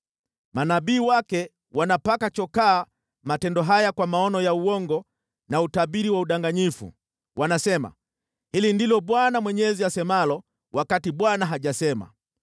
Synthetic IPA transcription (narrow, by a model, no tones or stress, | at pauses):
manaɓiːwakɛ | wanapakat͡ʃɔkaː | matɛndɔɦajakwamaɔnɔjauwɔŋɡɔ | nautaɓiɾiwauɗaŋɡaɲifṵ | wʔanasɛma̰ | hilindilɔɓwanamwɛɲɛziasɛmalɔ | wakatiɓwanaɦaʄasɛma̰